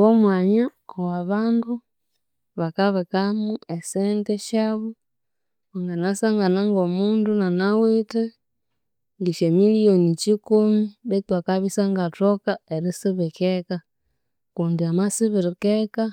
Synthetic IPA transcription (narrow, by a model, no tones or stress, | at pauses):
βɔmwaɲa | ɔwaβandu | βakaβɛkamuɛsɛntɛʃaβu | ŋɡanasaŋɡanaŋɡɔmundunanawitɛ | ŋɡiʃɛmilionit͡ʃikumiβɛtwakaβisaŋɡatɔkaeɾisiβɛkɛka | kundiamasiβiɾikɛka